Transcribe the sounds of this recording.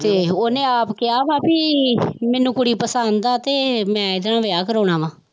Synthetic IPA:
t̪eːoːnẽːaːpkɪjaːʋaːpiːmɛ̃ːnũːkʊɽiːpəsənd̪aːt̪eːmɛ̃ːɪd̪nãːʋɪaːkəɾoːɽ̃ãːʋãː

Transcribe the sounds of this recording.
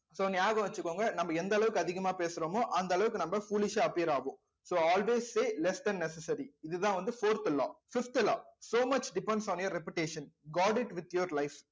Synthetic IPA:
soːniaːɣɐ̃ʋɐt͡ʃːɯkːõːŋɡɐnɐmːɐɛnd̪ɐɛɭɐʋɯkːɯɐðɪɣɐmaːpeːsɯɾoːmoːʔɐnd̪ɐɛɭɐʋɯkːɯnɐmbɐfuːlɪʃaɐpiɾaːʋʊ̃ː | soːɔːlʋeːsseːlɛsd̪ɛ̃nnːɛsɐsɐɾiɪðɯðãːʋɐnd̪ɯfoːɾt̪lɔ̰ːfɪft̪lɔ̰ːsoːmɐt͡ʃɖɪpɛ̃ɳɖsɔ̃ːnjɐɾɛpjɪʈeːʃɐnɡɔːɖɪʈʋɪt̪joɾlɐɪf

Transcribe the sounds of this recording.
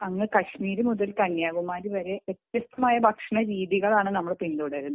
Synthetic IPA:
ɐŋːɨkɐɕmiːɾumuðɐlkɐnjaːɣumaːɾiʋɐɾe̞ʋet̪jɐst̪ːɐmaːjɐbʱɐkʂɐɳɐɾiːðiɣɐɭaːɳɨnɐmːɐɭpind̪uɽɐɐɾunːu

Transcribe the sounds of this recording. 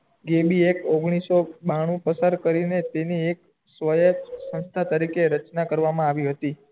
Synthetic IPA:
ɡebiekoɡɽ̃isobaɽ̃ũpəsaɾkəɾinet̪eniek | sʋəjəsə̃nst̪ʰat̪əɾikeɾət͡ʃnakəɾʋamãaʋiɦət̪i

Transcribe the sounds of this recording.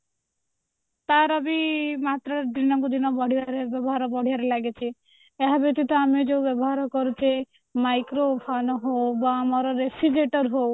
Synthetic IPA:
t̪aɾɔbimat̪ɾaɾd̪ɾinɔŋkud̪inɔbɔɽ̤iaɾebɛbɔɦaɾɔbɔɽ̤iaɾelaɡet͡ʃʰi | ɛɦabek̚t̪it̪ɔamid͡ʒewbɛbɔɦaɾɔkɔɾut͡ʃe | majkɾobʱʰanɔɦobaːmaɾɔɾefid͡ʒeʈɔɾɦow

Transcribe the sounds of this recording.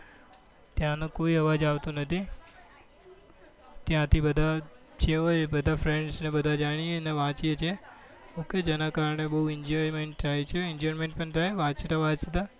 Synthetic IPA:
t̪jãnũkoiɦəʋad͡ʒaʋt̪ũnət̪ʰi | t̪jãt̪ʰibəd̪ʱa | t͡ʃʰeɦojbəd̪ʱafɾeɳɖsnebəd̪ʱad͡ʒaɽ̃ijeneʋãt͡ʃiet͡ʃʰe | oked͡ʒenakaɾəɳ̃ebəɦuɪɲd͡ʒɔɾimeɳʈt̪ʰajt͡ʃʰeɪɲd͡ʒɔɾimẽɳʈ̚pəɳt̪aeʋãt͡ʃet̪aʋad͡ʒsət̪a

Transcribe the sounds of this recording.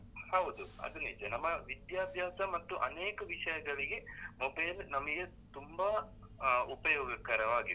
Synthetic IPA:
hɐwd̪uɐ̰d̪unid͡ʒɐnɐmːɐʋid̪jaːd̪ʱjaːsɐmɐt̪ːuʔɐ̰neːkɐʋiʂɐjɐɡɐɭiɡe̞mobɐjlnɐmɐɡe | t̪umba | upɐjɔːɡɐkɐɾɐʋaːɡi

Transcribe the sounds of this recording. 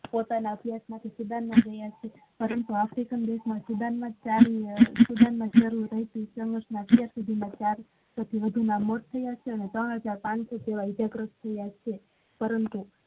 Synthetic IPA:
pot̪anaəbjasmãt̪ʰisud̪anmãd͡ʒəjat͡ʃʰe | pəɾənt̪uafɾikənd̪eʃmãsud̪anmãt͡ʃaɾisud̪anmãt͡ʃəɾuːəɦit̪isəŋɡəɾʃnãətjaɾsud̪ʱimãt͡ʃaɾ | sot̪ʰiʋəd̪ʱunamoʈ̚t̪ʰːəjat͡ʃʰeənet̪ɾəɽɦəd͡ʒaɾpãɽ̃sot̪eʋaid͡ʒaɡɾəst̪ʰəjat͡ʃʰe | pəɾənt̪u

